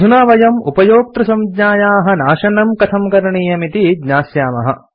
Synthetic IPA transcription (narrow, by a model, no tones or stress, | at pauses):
unaːʋɐjɐmupɐjoːk̚t̪ɾɐsɐmdɲaːjaːɦɐ̆naːʃɐnɐmkɐt̪ʰɐmkɐɾɐɳiːjɐmit̪id̪ɲaːsjaːmɐ̰ɦɐ̰